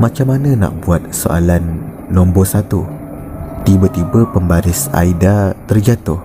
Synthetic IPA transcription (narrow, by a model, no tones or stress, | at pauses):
mãt͡ʃamːanə̃na̰ʔ̚buat̪̚so̰ʔa̰lanː | ɔ̃mbɔsat̪u | t̪ibət̪ibəpəmbaɾɪsa̰idat̪ərd͡ʒat̪ʊh